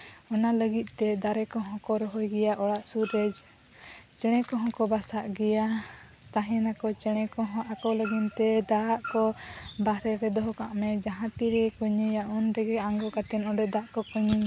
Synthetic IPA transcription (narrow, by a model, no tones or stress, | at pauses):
ɔnaləɡit̪̚ˀt̪ɛd̪aɾɛkɔɦɔ̃kɔɾɔɦɔjɡɛjaʔɔɽaʔsuɾed͡ʒ | t͡ʃɛɽ̃ɛkɔɦɔ̃kɔbasaʔɡɛja | t̪aɦɛnakɔt͡ʃɛɽ̃ɛkɔɦɔ̃ʔakɔləɡint̪ɛd̪aaʔkɔbaɾɛɾɛd̪ɔɦɔkaʔmɛd͡ʒaɦãt̪iɾɛkuɲijaʔunɾɛɡɛaŋɡɔkat̪ɛnɔɖɛd̪aʔkɔkuɲi